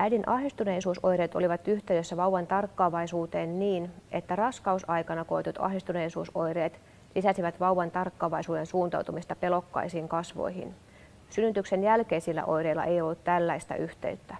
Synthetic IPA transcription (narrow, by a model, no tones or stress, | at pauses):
ʔæjdinʔɑhdist̪uneisuːso̞jɾeːt̪o̞̰liʋɑt̪yht̪eydøsːæʋɑwʋɑnt̪ɑrkːɑːʋɑisuːt̪eːnniːnʔet̪ːærɑskɑusɑjkɑnɑko̞it̪ut̪ɑ̰ɦdist̪uneisuːsojɾeːt̪ | lisæsiʋæt̪ʋɑwːɑnt̪ɑrkːɑːʋɑisuːdensuːnt̪ɑ̰wt̪umist̪ɑpe̞lo̞kːɑ̰isiːŋkɑsʋo̰jhḭn | synːyt̪yksenjælkeisilːæ̰ʔo̞̰jɾeilːɑ̰ʔejo̞lːut̪t̪ælːæist̪æ̰ʔyht̪e̞̰yt̪ːæ